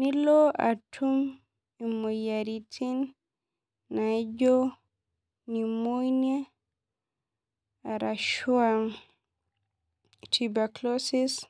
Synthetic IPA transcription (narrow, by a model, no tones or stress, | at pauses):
nilɔa̰tʰum | ɛmɔjaɾitʰinː | ad͡ʒɔ | nimojnɛ | aɾaʃuam | tʰibaklɔsis